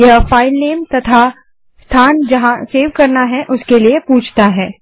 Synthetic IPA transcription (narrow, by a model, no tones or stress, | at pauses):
jɐɦfaːɪlneːmt̪ɐt̪ʰa | st̪ʰaːnd͡ʒɐɦãseːʋkɐɾnaɦɛʔʊskeliepuːt͡ʃʰt̪aɦɛː